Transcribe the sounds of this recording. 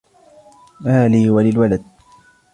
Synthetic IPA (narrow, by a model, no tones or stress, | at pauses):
ʔaːliːwalɪlwalad̪̚